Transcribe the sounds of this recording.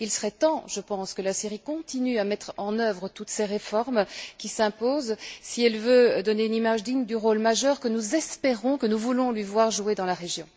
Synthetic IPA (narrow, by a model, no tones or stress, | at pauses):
ilsəʁɛt̪ɑ̃ʒəpɑ̃skəlasiʁikɔ̃t̪inyamɛt̪χɑ̃nœvʁət̪ut̪seʁefɔʁmkʲisɛ̃poːzsiɛlvød̪ɔneynimaʒd̪iɲd̪yʁolmaʒœʁkənuzɛspeʁɔ̃kənuvulɔ̃lɥivwaʁʒued̪ɑ̃laʁeʒjɔ̰̃